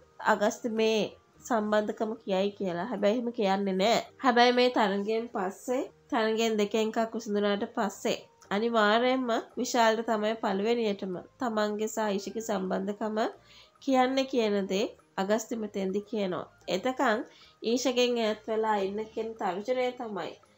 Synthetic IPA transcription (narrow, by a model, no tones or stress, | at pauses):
a̰ɡɐst̪imeː | samband̪əkaməkijajkijəlaɦɛbɛjɦiməkijanːenɛːhɛbæjmeːt̪aɾəŋɡempasːet̪aɾəŋɡend̪ekeŋkakːʋisund̪unaːʈəpasːḛanimaːɾejmːəʋiʃaːləʈət̪amajpaluʋenijəʈəmə̰t̪amaŋɡesaːiːʃəɡesamband̪əkamə | kijanːekijənəd̪e | aɡəst̪imət̪end̪ikijəno̰ʋa̰ | et̪əkaŋiːʃəɡeŋejat̪ʋelaːinːəkijənət̪aʋisənəjet̪ama̰j